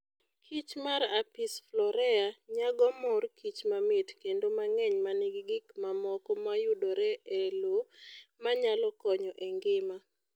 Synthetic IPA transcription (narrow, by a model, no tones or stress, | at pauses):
kʰit͡ʃmaɾapisflɔɾɛaɲaɡɔmɔrkit͡ʃmamɪtkendomaŋɛɲmanɪɡɡɪkmamɔkɔmajudoɾɛelomaɲalɔkɔɲɔʔeŋɡɪma